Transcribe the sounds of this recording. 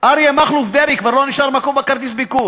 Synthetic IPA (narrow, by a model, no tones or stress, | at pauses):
ʔaɾiemaχlufd̪evikvaʁloniʃaʁmakombekaʁt̪̬is̬biku